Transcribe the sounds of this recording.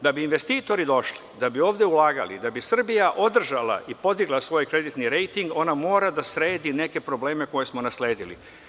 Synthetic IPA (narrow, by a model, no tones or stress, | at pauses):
d̪abiːnʋe̞st̪iːt̪o̞ɾid̪o̞ʃlid̪abio̞ːʋd̪jeulaːɡa̰lḭd̪abisr̩bijaʔo̞d̪r̩ʒala̰ʔipo̞d̪iɡlˠasʋo̞ːjkɾe̞d̪it̪niɾe̞jt̪iŋɡo̞namo̞ːɾad̪asɾe̞ːd̪ine̞ke̞pɾo̞ble̞ːme̞ko̞je̞smo̞nasle̞ːd̪ilḭ